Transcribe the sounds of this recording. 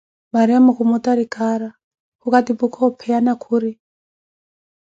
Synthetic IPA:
maɾiamukumɔtaɾikaɾa | hukatipukʰɔpʰɛjanakʰuɾi

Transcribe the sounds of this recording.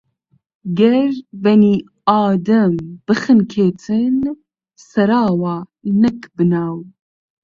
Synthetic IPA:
ɡɛɾbɛniː | ɑːd̪ɐmb̥ɨxɨnkʰeːt̪ʰɨn | sɐɾɑːwaːnɛkbɨnaːw

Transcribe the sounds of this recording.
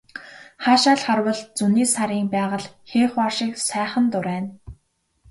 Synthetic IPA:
χaːʃaːɮχarwə̆ɮt͡suniːsaɾiːŋpæːʁə̆ɮxeːχwarʃĭksæːχə̆nt̪ʊɾæːn

